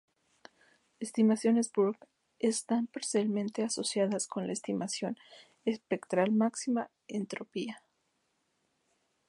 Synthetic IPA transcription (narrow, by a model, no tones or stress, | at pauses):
e̞st̪imasjo̞ne̞zbuɾɣ | est̪ampaɾsjalmẽnt̪e̞aso̞sjaðasko̞nla̰est̪imʔasjo̞n | espe̞kt̪ɾalmaksima | e̞nt̪ɾopia